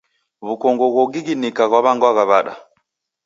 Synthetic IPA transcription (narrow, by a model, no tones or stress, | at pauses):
βukɔŋɡɔɣɔɡiɡinikaɣwaβaŋɡwaɣaβaɗa̰